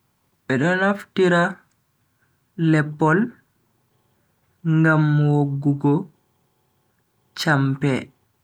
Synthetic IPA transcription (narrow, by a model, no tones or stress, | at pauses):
ɓɛɗɔnaftiɾa | lɛpːɔl | ŋɡamwoɡːuɡɔ | t͡ʃampɛ